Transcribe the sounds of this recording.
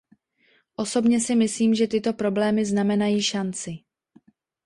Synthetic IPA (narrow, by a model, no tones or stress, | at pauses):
ʔo̞so̞bɲɛsɪmɪsliːmʒɛt̪ɪt̪o̞pɾo̞blɛːmɪznamɛnajiːʃant͡sɪ